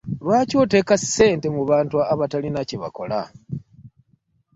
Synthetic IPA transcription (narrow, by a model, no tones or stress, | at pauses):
lwaːco̞ːte̞ːkase̞ːnte̞muβaːntuaβatalinaciβa̰ko̞la̰